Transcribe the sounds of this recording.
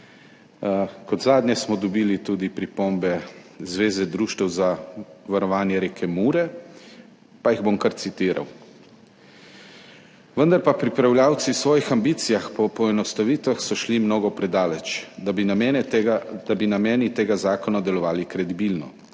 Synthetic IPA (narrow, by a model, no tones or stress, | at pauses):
kɔd̪zaːd̪njɛsmɔd̪ɔbiːlit̪uːd̪ipɾipombɛzʋeːzɛd̪ɾuʃt̪ɛwzaʋaɾɔʋaːnjɛɾekʰɛmuːɾɛ | pajiɣbomkaɾt̪sit̪iːɾa̰w | ʋənd̪aɾpapɾipɾawljaːwt̪siwsʋɔːjixambiːt̪sijaxpɔpɔɛnɔst̪aʋiːt̪ʋaxsɔʃlimnoːɡɔpɾɛd̪aːlɛt͡ʃ | d̪̥abinamɛːnit̪eːɡazaːkɔnad̪ɛlɔʋaːlikɾɛd̪ibilnɔ̰